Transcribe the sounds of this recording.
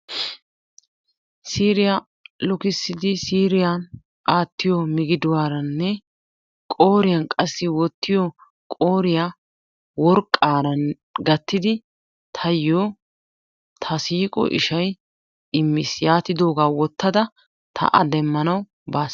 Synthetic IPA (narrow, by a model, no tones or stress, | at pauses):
siːɾɪjɐ | lɔkɪsːɪd̪ɪsiːɾɪjan | ʔaːt̪ːɪjɔmɪɡɪd̪ʊwaːɾɐnːɛ | kʼo̞ːɾɪjɐnkʼɐsːɪwɔt̪ːɪjɔ | kʼo̞ːɾɪja | wɔɾkʼːaːɾɐn | ɡɐt̪ːɪd̪ɪ | t̪ʰɐjoː | t̪ʰɐsiːkʼɔ̰ʔɪ̰ʃɐj | ɪmːɪsjaːt̪ːɪd̪o̞ːɡaːwɔt̪ːɐd̪ɐ | t̪ʰɐ̰ʔɐd̪ɛmːɐnɐw | baːs